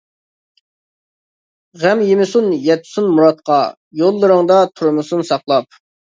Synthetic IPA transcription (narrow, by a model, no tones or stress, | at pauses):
ʁæmjemɪsunjɛt̪ʰsunmuɾɑt̪̚qʰɑ | jolˠːɨɾəŋd̪ɑt̪ʰuɾmʊsunsɑqlˠɑp̚